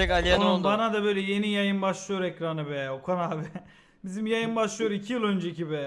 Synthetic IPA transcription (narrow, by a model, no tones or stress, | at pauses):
ɛkalijnolbanad̪abø̞jlʲɛje̞nijajɯmbaʃlˠɯjo̞ɾɛcɾanɯbɛokʰonabi | bizimjajɯmbaʃlˠɯjoɾicʰijilˠønd͡ʒecibɛ